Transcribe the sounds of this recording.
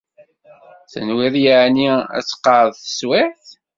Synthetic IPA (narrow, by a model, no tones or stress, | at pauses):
θə̰nwɪðjəʕniæ̰t͡sːə̥qːəɾðˤθə̥swɪħθ